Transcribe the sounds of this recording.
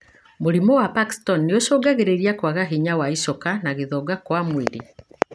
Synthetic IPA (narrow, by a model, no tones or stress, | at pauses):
moɾimɔwapaki̥stɔnːeoʃoːɡaɣeɾeɾiakwaɣaɦiɲawaisɔkanaɣeðɔːɡakwamweɾi